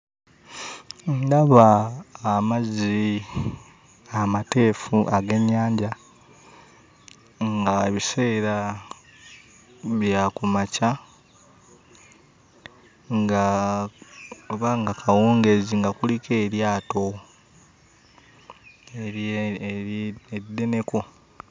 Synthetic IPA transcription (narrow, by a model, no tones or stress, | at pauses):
ndaβaː | mazi | amate̞ːfuʔaɡe̞ɲːaːɲɟa | ŋɡaeβise̞ːɾa | βjakumaca | ŋɡa | oβaŋɡakʰawuːŋɡeziŋɡakulike̞ːɾjaːto̞ | e | eide̞ne̞ko̞